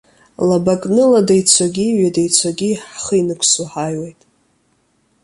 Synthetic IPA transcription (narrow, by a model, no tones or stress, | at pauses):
labakʼnɨladajt͡sʷʰaɡʲiɥadajt͡sʷʰaɡʲiħχəinɨkʷʰsuħajwejtʼ